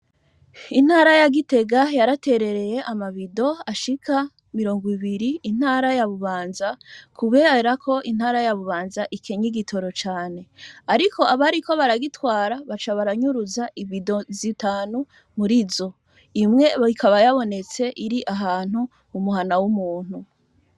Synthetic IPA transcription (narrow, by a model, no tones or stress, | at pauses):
in̥haːɾajaɡite̞ɡajaɾate̞ɾe̞ɾe̞je̞ʔamaβido̞aʃikʰa | miɾo̞ːŋɡiβiɾiːn̥haːɾajaβuβaːnzakʰuβe̞ːɾakʰo̞ʔinhaːɾajaβuβaːnzaʔike̞ɲiɡitʰo̞ɾo̞t͡ʃaːne̞aɾikʰo̞aβaɾiko̞βaɾaɡitwaːɾaβat͡ʃaβaɾaɲuɾuzaʔiβido̞zitaːnu | muɾizo̞ | imŋe̞ikʰaβajaβo̞ne̞t͡se̞ʔiɾiʔaɦaːn̥huː | muɦanawumuːn̥hu